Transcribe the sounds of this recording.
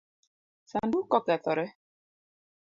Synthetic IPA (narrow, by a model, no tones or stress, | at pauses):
sandukɔkɛθɔɾɛ